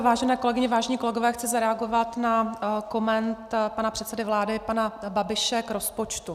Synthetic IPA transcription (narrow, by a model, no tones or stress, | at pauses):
vaːʒɛnɛːko̞lɛɡɪɲɪvaːʒɛɲiːko̞lɛɡovɛːxt͡sɪzaɾɛaɡo̞vat̪nako̞mɛnt̪panapr̥ɛt̪sɛdɪvlaːdɪpanababɪʃɛkɾo̞spot͡ʃt̪u